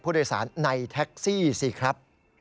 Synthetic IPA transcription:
pʰuː˥˩doː˧jsa̰ː˩˦nːa˧jt̪ʰɛ˦˥k̚siː˥˩si˧˩kʰɾa˦˥p̚

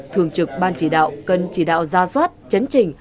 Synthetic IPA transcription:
t̪ʰɨ˧˩əŋt͡ɕɨ˨˩k̚ɓaː˧nt͡ɕi˧˩ɗa̰ː˧˨wkə˨˩nt͡ɕi˧˩ɗa̰ː˧˨wzaː˧swaː˦˥t̚t͡ɕə˨˦nt͡ɕï˨˩ŋ̟

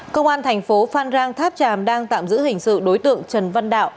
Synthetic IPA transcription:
kə˧wŋ͡mʔaː˧nt̪ʰɛ˨˩jŋfo˨˦faː˧nzaː˧ŋt̪ʰaː˦˥p̚t͡ɕaː˨˩mɗaː˧ŋt̪a̰ː˧˨mzɨ̰˧˥hï˨˩ŋ̟sɨ̰˧˨ɗo˨˦jt̪ɨ̰˧˨əŋt͡ɕə˨˩nva˧nɗa̰ː˧˨wʔ

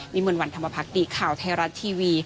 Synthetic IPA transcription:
niː˦˥mɯ˧ənwa˧nt̪ʰa˧mːa˧pʰa˦˥k̚diː˨˩kʰaː˨˩wt̪ʰɛː˧˩ɾa˦˥t̪̚ʰːiː˧wiː˧

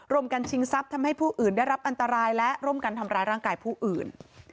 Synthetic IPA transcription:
ɾu˧˥əmka˧nt͡ɕʰi˧˥ŋsa˦˥p̚t̪ʰa˧mha˥˩jpʰuː˥˩ʔɯː˨˩nda˥˩jɾa˦˥p̚ʔa˧nt̪a˧ɾaː˧jlɛ˦˥ʔɾu˥˩˨mkaː˧nt̪ʰa˧mɾaː˧jɾaː˥˩ŋkaː˧jpʰuː˥˩ʔɯː˨˩n

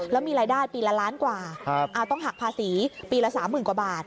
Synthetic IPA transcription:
lɛː˦˥wmiː˧ɾaː˧jdaː˥˩jpiː˧la˦˥laː˦˥nkwaː˨˩kʰʔa˧˩wt̪ɔ˥˩ŋɦa˨˩pʰaː˧siː˩˦piː˧lɛ˦˥saː˩˦mːɯː˨˩nkwa˨˩baː˨˩t̪̚

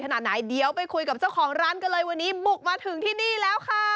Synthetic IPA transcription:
kʰa˧naː˨˩t̪̚naː˨˩˦jdi˧əwpa˧jkʰu˧jka˨˩p̚t͡ɕa˥˩wkʰɔː˩˦ŋɾaː˦˥nka˧nlɤː˧jwa˧nːiː˦˥mu˨˩k̚maː˧t̪ʰɯ˨˩˦ŋt̪ʰiː˥˩niː˥˩lɛː˦˥wkʰa˥˩

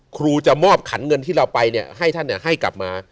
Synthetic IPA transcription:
kʰɾuː˧t͡ɕa˨˩mɔː˥˩p̚kʰa˩˦nŋɤ˧nt̪ʰiː˥˩ɾa˧wpa˧jni˥˩ɐha˥˩jt̪ʰa˥˩nːi˥˩ɐɦa˥˩jkla̰˨˩p̚maː˧

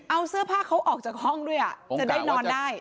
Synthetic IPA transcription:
ʔa˧wsɯ˥˩əpʰaː˥˩kʰːa˦˥wʔɔː˨˩k̚t͡ɕaː˨˩k̚hɔ˥˩ŋdu˥˩əjʔa˨˩t͡ɕa˨˩daː˥˩nɔː˧ndaː˥˩j

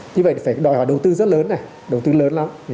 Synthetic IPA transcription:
ɲɨ˧və˧˨jfaː˧˩jɗɔ˨˧˨jhɔː˧˩ɗə˨˩wt̪ɨ˧zə˦˥t̚ləː˨˦nːa˨˩j | ɗə˨˩wt̪ɨ˧ləː˨˦nla˨˦m

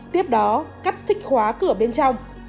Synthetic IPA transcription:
t̪i˦˥əp̚ɗɔ˨˦ka˦˥k̚sï˦˥k̟̚xwaː˨˦kɨ˧˩əɓe˧nt͡ɕɔ˧wŋ͡m

